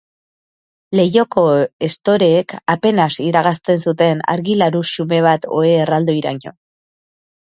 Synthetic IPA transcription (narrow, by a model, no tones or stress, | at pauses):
le̞jo̞ko̞est̪o̞ɾe̞ːkape̞nasiðɾaɣast̪e̞nsut̪e̞na̰ɾɣilaɾuʃume̞β̞at̪o̞eːrald̪oiɾa̰ɲo̞̰